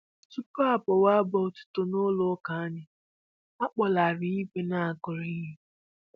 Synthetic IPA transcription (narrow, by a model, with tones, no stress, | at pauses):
tu˦pɔ˦a˨pɔ˨wa˦bɔ˨˦tu̥˨to˦no˦lo˦ka˨a˦ɲɪ˦ | a˦k͡pɔ˨la˨ɾi˨i˦ke˨na˦a˨kʊ˨ɾi˦ɦe˨